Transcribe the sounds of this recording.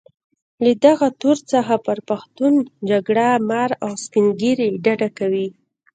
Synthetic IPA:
ləd̪aɣat̪oɾt͡səxapəɾpaxt̪und͡ʒaɡɽamaɾawspɪŋɡiɾeɖaɖakawi

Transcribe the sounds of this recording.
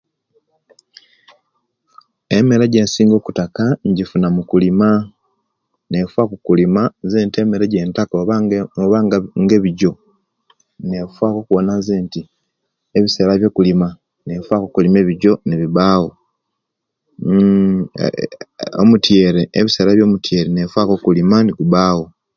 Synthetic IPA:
emeɾeɟe̞ːnsiːŋɡo̞ːku̥takaɲɟifunamukulima | nefwakokulimazeːntiemeɾeɟe̞ːntakooβaŋɡŋɡeβiɟo̞ | ne̞fwaːko̞kuwonazeːnti | eβiseɾaβjo̞ːkulima | ne̞fwakokulime̞ːβiɟo̞niβiβaːwo | o̰mutje̞ːɾeːβise̞ːɾaβjo̞ːmutje̞ːɾenefwaːkokulimaniɡuβaːwo

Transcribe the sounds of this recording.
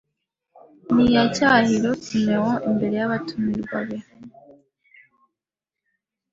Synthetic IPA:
nijacahiɾotineɣoʔimbe̞ɾe̞jaβatumiɾβa̰βe

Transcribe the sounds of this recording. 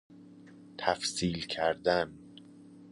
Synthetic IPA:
t̪ʰæfsiːlcʰæɾd̪æn

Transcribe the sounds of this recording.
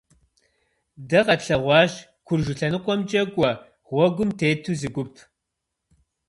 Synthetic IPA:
dɐʁɐtɬɐʁʷɑːʒ | kʷʰʊrʒʊɬɐnɨqʷʼɔmd͡ʒʼɐɡʷʼɔ | ʁʷɔɡʷʊmtʰeːtʰuːzɨɡʷʊpʰ

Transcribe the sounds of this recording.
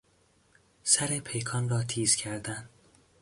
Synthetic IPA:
sæɾepʰe̞jkʰɒːnrɒːt̪ʰiːz̥cʰæɾd̪æn

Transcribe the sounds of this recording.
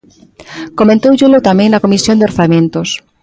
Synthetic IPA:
komẽnt̪owʒulot̪amẽŋnakomisjond̪eoɾθamẽnt̪os

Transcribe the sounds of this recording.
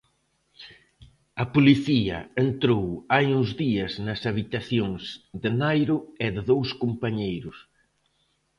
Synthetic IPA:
ɐpoliθiɐ̰ent̪ɾowajuŋzðiɐznɐsaβit̪aθjoŋzðɪnajɾʊɛðɪðowskompaɲejɾʊs

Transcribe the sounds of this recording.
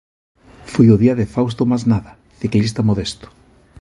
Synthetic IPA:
fojʊðiɐðɪfaws̬t̪ʊmaznaðɐ | θiklist̪amoðest̪ʊ̥

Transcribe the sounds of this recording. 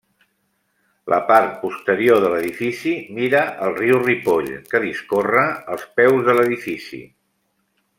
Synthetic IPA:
lʔə̰paɾt̪̚pust̪əɾioðələðifisimiɾəʔəlˠriwripoʎkəðiskorəəlˠspɛwzðələðifisḭ

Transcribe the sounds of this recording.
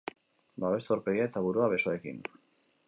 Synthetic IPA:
baβ̞e̞st̪oɾpe̞ɣiae̞t̪aβuɾuaβ̞e̞soe̞kḭn

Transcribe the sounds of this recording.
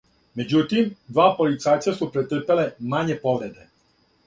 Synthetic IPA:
me̞d͡ʑut̪imd̪ʋaːpolit̪saːjt̪sasupɾet̪r̩pele̞maɲe̞poʋɾe̞d̪e

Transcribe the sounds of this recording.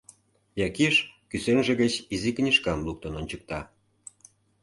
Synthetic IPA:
jɑkiʃkysenʒĕɣət͡ɕiziknʲiʃkɑmluk̚t̪ənonʲt͡ɕək̚t̪ɑ

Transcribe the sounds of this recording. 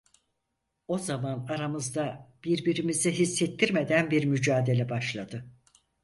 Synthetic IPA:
o̞zamanaɾamɯzd̪ab̥iɾbiɾimiziɦisːet̪ʰːiɾme̞d̪ænbiɾmyd͡ʒaːd̪e̞lʲɛbaʃlˠad̪ɯ

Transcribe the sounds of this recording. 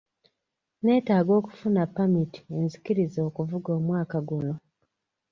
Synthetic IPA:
ne̞ːtaːɡo̞ːku̥funapːamiti̥enzikiɾizo̞ːkuvuɡoːmwaːkaɡuno̞

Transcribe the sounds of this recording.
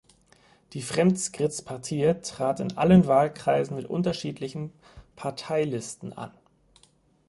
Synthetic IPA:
d̥iːfʁ̥ɛmtskʁ̥ɪt͡spʰaɐtʰiːtʁ̥aːtɪnʔa̰lənvaːlkʁ̥aɪzn̩mɪtʔʊ̰ntɐʃiːtlɪçn̩ | pʰaɐtʰaɪlɪstn̩ʔa̰n

